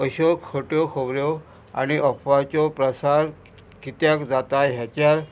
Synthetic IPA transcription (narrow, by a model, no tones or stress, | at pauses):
əɕɔkʰoʈjɔkʰobɾjɔ | a̰ñiʔɔpʰʋat͡sɔpɾəsaɾ | kit̪jakd͡zat̪aɦjat͡ɕjaɾ